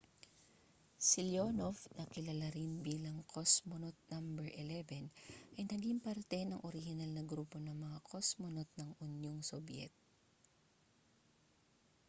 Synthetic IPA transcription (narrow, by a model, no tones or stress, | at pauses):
sɪljonofnɐkɪlɐlaɾɪnbiːlɐŋkʰosmonot̪̚nambɛɹʔɛlɛvɛnʔɐjnɐɡiŋpɐɾt̪ɛnɐŋʔoɾɪhɪnalnɐɡɾuːpo̞nɐŋmɐŋakʰosmonot̪̚nɐŋʔʊnjoŋsobjɛ̰t̪̚